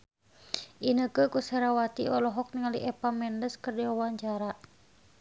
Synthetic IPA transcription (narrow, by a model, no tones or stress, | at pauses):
ʔinəkəkusɛɾawat̪iɔlɔɦɔk̚niŋalḭʔɛpamɛndəskərdiwawaɲt͡ʃaɾa